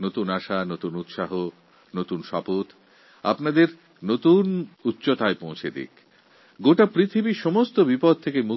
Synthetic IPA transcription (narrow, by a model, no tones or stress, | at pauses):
not̪unaʃanot̪unut̪ʃaɦo | not̪unʃɔpot̪ | a̰pnad̪eɾ | not̪unut̪ːɕot̪aepõw̃t͡ɕʰed̪ḭk | ɡoʈapɾit̪ʰibiʃɔmost̪obipɔd̪̚t̪ʰekemu